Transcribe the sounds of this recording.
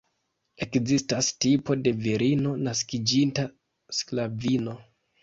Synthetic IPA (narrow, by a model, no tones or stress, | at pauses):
e̞kzistastipo̞de̞viɾʔino̞naskid͡ʒinta | sklavino̞